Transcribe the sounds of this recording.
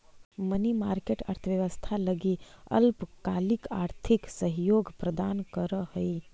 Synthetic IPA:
mənimaːɾkeːʈɐ̰ɾt̪ʰəʋjəʋəst̪ʰalɐɡiɐ̰lpkaːlɪkaːɾt̪ʰɪksəɦjoːɡpɾɐd̪aːnkəɾəhɐi

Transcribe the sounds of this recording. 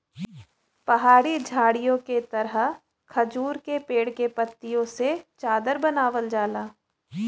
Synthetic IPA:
pɐɦaːɽid͡ʒʱaːɽijõket̪ɐɾə | kʰɐd͡ʒuːɾkepeːɽkepɐt̪ːijõset͡ʃaːd̪əɾbɐnaːʋəld͡ʒaːlaː

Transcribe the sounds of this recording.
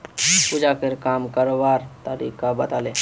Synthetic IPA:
pud͡ʒaːkɪɾkaːmkəɾobaːɾt̪aɾḭːkabət̪aːleː

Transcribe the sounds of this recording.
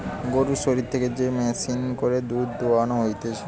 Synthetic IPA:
ɡoɾuʃoɾit̪ʰːeked͡ʑemɛsinkoɾed̪uɾd̪oanoɦojt̪et͡ɕʰe

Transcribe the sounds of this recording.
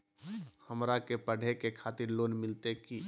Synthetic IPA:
həmɾakepəɽ̤ʱekekʰaːt̪ɪɾloːnmɪlt̪eki

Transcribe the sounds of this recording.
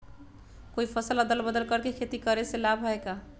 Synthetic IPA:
koipʰəsələd̪əlbəd̪əlkəɾkekʰet̪ikəɾeselabʱɦəeka

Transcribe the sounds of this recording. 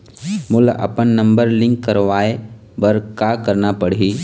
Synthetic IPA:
mʊlɐ̰pənːə̃mbəɾlɪ̃ŋkːəɾʋaːe | bəɾkakəɾnapəɽ̤iː

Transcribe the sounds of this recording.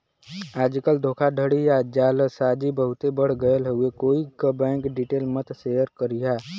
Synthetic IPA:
aːd͡ʒkəld̪ʱoːkʰaɖʱəɽijaːd͡ʒaːlsaːd͡ʒibəɦʊt̪ebəɽ̤ɡəəlɦuekoːikəbɛ̃ːŋkɖiʈeːlmət̪sejəɾkəɾijaː

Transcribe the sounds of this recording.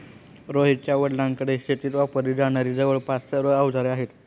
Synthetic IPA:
ɾoɦit͡ɕjaʋəɽlaŋkəɽeɕet̪iːt̪ʋapəɾid͡zaɽ̃aɾiːd͡zəʋəɭpasəɾəawd͡zaɾeaɦet̪

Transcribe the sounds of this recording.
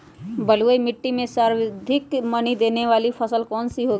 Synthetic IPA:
bəluəimɪʈːimẽsaːɾd̪ʱɪkmɐnid̪eːneʋaːlipʰəsəlkɔːnsiɦoːɡ

